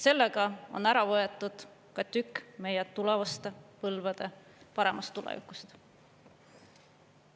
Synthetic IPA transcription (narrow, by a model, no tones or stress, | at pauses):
se̞lːeɡ̥ɑo̰næɾɑvɤet̪ːˑud̪̥ | kɑt̪ykːme̞jet̪ːulevɑst̪epɤlvɑd̪̥e̞ | pɑɾe̞mʔɑst̪ːulḛvḭkˑust̪